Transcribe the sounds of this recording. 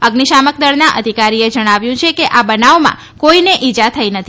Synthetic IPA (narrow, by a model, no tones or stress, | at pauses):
əɡniʃamək̚d̪əɽnaʔəd̪ʱikaɾied͡ʒəɽ̃aʋjũt͡ʃʰekeʔabənaomã̰ | koineʔid͡ʒat̪ʰəinət̪ʰi